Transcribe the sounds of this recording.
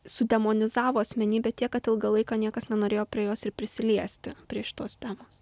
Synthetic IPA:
sʊd̪ʲɛmoːnʲɪzɑːʋoːɐsʲmʲɛnʲiːbʲɛt̪ʲiɛkkɐt̪ɪlˠɡɐlˠɐɪkɑːnʲiɛkɐsnʲɛnoːɾʲeːjoːpʲɾʲiɛjoːsɪɾpʲɾʲɪsʲɪlʲiɛsʲt̪ʲɪpʲɾʲiɛʃʲɪ̥t̪oːst̪ʲæːmoːs

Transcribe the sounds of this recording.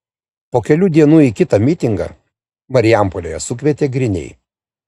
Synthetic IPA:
poːkʲɛlʲuːd̪ʲiɛnuːikʲɪt̪ɐmʲɪt̪ʲɪŋɡɐ̰ː | mɐɾʲɪjæˑmpolʲoːjɛsʊkʲʋʲɛːt̪ʲeːɡɾʲɪnʲɛ̰ɪ

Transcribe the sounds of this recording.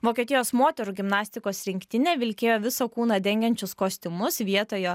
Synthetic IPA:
ʋoːkʲiɛt̪ʲɪjoːsmoːt̪ʲɛɾuːɡʲɪmnɑːsʲt̪ʲɪkoːsɾʲɪŋʲkt̪ʲɪnʲeːʋʲɪlʲkʲeːjoːʋʲɪsoːkuːnɐd̪ʲɛŋʲɡʲɛnʲt͡ʃʲʊskoːsʲt̪ʲɪmʊsʋʲiɛt̪oːjo

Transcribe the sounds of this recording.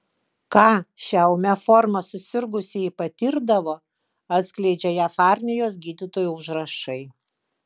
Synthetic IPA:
kɑːʃʲɛʊmʲɛfɔɾmɐsʊsʲɪɾɡʊsʲɪipɐt̪ʲiɾd̪ɐʋoː | ɐt̪sʲklʲɛɪd͡ʒʲɛjæfɑːɾʲnʲɪjoːs̬ɡʲiːd̪ʲɪt̪oːjuʊʒɾɐʃɐɪ

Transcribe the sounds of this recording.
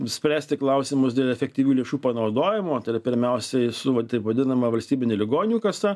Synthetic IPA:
sʲpʲɾʲæːsʲt̪ʲɪklˠɐʊsʲɪmʊsd̪ʲeːlˠɛfʲɛk̚t̪ʲiːʋʲuːlʲeɛʃuːpɐnɐʊd̪oːjɪmoːt̪ɐɪɾɐpʲɪɾʲmʲɛʊsʲɛsʊʋɐt̪ɐɪpʋɐd̪ʲɪnɐmɐʋɐlʲsʲt̪ʲiːbʲɪnʲɛlʲɪɡoːnʲuːkɐsɐ

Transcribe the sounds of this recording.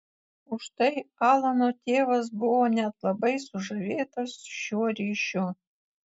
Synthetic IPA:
ʊʂt̪ɐjɑːlˠɐnot̪ʲeːʋɐs̬bʊwonʲæt̪lˠɐbɐjsuʐɐʋʲeːt̪ɐsɕuɾʲiʃu

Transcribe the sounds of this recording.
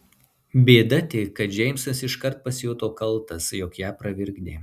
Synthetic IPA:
bʲeːd̪ɐt̪ʲeːkːɐt̪ʒʲɛɪmsɐsɪʃkɐɾt̪̚pɐsʲjuːt̪oːkɐlˠˑt̪ɐsjɔːkjæːpɾɐʋʲɪɾʲɡd̪ʲeː

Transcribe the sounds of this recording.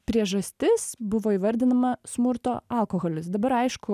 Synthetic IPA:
pʲɾʲiɛʒɐsʲt̪ʲɪsbʊʋoːiːʋɐɾʲd̪ʲɪnɐmɐsmʊɾt̪oːɐlˠkoːɣolʲɪsd̪ɐbɐɾɐɪʃkʊ

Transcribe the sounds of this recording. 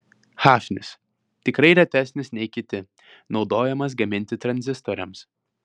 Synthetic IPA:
xɑːʃʲnʲɪ̰s | t̪ʲɪkɾɐɪɾʲɛt̪ʲæsʲnʲɪsnʲɛɪkʲɪt̪ʲɪ | nɒʊd̪oːjɛmɐs̬ɡɐmʲɪnʲt̪ʲɪt̪ɾɐnʲzʲɪst̪oːɾʲɛms

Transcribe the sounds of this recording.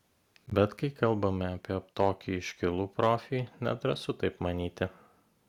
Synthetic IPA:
bʲɛt̪kɐɪkɐlˠbɐmʲɛɐpʲiɛt̪oːkʲiɪʃʲkʲɪlˠuːpɾoːfʲiːnʲɛ̰t̪ɾɐsʊt̪ɐɪpmɐnʲiːt̪ʲɪ

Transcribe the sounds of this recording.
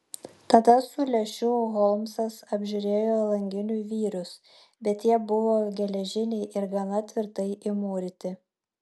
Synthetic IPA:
t̪ɐd̪ɐsʊlʲɛʃʲʊɣɔlˠmsɐsɐbʲʒʲʊɾʲeːjoːlˠɐŋʲɡʲɪnʲuʋʲiːɾʊs | bʲɛt̪jiɛbʊʋoːɡʲɛlʲɛʒʲɪnʲɛɪʔɪɾɡɐnɐt̪ʲʋʲɪɾt̪ɐɪʔɪmoːɾʲɪt̪ʲɪ

